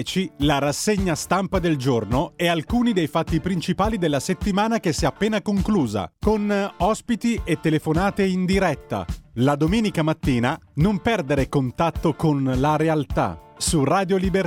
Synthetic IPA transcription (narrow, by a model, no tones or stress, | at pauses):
t͡ʃilaɾasːeɲːast̪ampad̪eld͡ʒornoɛalkuːnid̪ejfat̪ːipɾint͡ʃipaːlid̪elːaset̪ːimaːnakesːiɛapːeːnakoŋkluːza̰konɔspit̪iʔet̪ːelefonaːt̪eind̪iɾɛt̪ːa̰lad̪omeːnikamat̪ːiːnanompɛrd̪eɾekont̪at̪ːokonlaɾealt̪a̰ | suraːd̪joliber